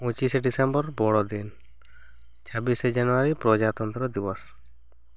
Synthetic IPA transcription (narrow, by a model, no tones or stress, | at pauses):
ũt͡ʃiseɖisembɔɾbɔɽɔd̪in | t͡ʃʰɔbised͡ʒanuaɾipɾɔd͡ʒat̪ɔnt̪ɾɔd̪ibɔs